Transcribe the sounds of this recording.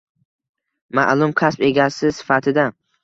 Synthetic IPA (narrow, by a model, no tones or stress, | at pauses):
ma̰ʔlˠʊmkʲʰaspe̞ɡʲasɪsɪ̥fat̪ʰɪd̪a